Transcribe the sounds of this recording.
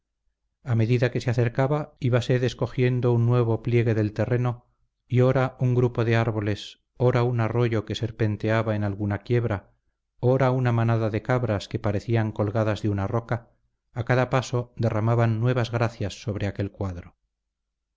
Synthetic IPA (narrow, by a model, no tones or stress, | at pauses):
ame̞ðiðake̞seaθe̞ɾkaβaiβase̞ðesko̞xje̞nd̪o̞unːwe̞β̞o̞plje̞ɣ̞e̞ðe̞lt̪e̞reno̞ | io̞ɾauŋɡɾupo̞ðe̞aɾβo̞le̞s | o̞ɾaunaro̞ʝo̞ke̞se̞ɾpe̞nt̪eaβaenalɣunakje̞βɾa | o̞ɾaunamanaðaðe̞kaβɾaske̞paɾe̞θiaŋko̞lɣaðazðeunaro̞kaː | kaðapaso̞d̪e̞ramaβanːwe̞β̞azɣɾaθjasːo̞βɾe̞ake̞lkwaðɾo